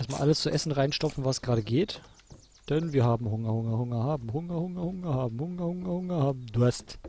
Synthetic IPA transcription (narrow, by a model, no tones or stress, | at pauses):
ʔɛɐstma̰ːlʔaləst͡suʔɛsn̩ʁaɪnʃtɔpfn̩vasɡ̥ʁaːɾəɡeːt | d̥ɛnviːɐhaːbm̩hʊŋɐhʊŋɐhʊŋɐhaːbm̩hʊŋɐhʊŋɐhʊŋɐhaːbm̩hʊŋɐhʊŋɐhʊŋɐhaːbm̩dʊɐst